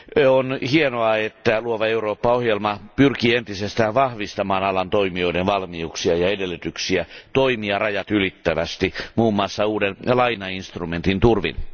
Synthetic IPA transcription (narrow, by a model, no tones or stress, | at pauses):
onhienoɑet̪ːæluoʋɑeuroːpːɑohjelmɑpyrkiːent̪isest̪æːʋʋɑhʋist̪ɑmɑːnɑlɑnt̪oimio̞idenʋɑlmiuksiɑjɑedelːyt̪yksiæt̪oimiɑrɑjɑt̪ylit̪ːæʋæst̪imuːmːɑsːɑuːdenlɑinɑinst̪rument̪int̪urʋḭn